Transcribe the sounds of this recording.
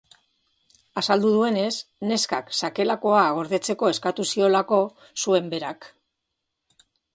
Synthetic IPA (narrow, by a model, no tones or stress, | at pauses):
asald̪uð̞ue̞ne̞sne̞ska̰ksake̞lako̞aɣ̞o̞ɾðe̞t͡se̞ko̞e̞skat̪usio̞lako̞ | sue̞mbe̞ɾak